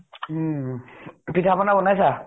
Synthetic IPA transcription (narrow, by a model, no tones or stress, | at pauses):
pitʰapɔnabɔnajsa